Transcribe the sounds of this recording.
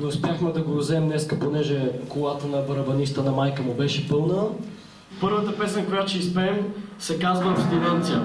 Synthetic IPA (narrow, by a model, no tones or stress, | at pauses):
noʊspjaxmɛd̪ɐɡoɾzɛmnɛskəponɛʒɛkolˠat̪ənɐbɐɾɐbɐnist̪ənɐmajkəmʊbɛʃɛpɤlˠnə | pɤɾvət̪əpɛsnəkojat͡ʃɛispɛɛmsɛkazvəfst̪inant̪sijə